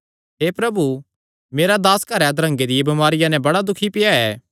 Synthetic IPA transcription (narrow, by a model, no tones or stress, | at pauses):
ɦeːpɾɐbu | meːɾad̪aːskɐɾɛd̪ɾɐ̃ŋɡed̪ɪjebɐmaːɾɪjãnɛ̃bɐɽad̪ʊkʰipɪjaɛː